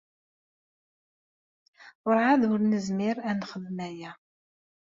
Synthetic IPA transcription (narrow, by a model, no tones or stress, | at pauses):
ʊɾʕaðʊɾnəzmɪɾænχəðmæjæ